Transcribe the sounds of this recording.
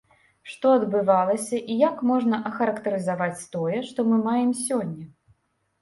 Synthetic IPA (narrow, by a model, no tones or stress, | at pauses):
ʂt̪ɔɐd̪bɨvalˠɐsʲɐʔijakmɔʐnɐʔɐxɐɾɐkt̪ɐɾɨzavat͡sʲt̪ɔjɛʂt̪ɔmɨmajɛmsʲɔnʲːɐ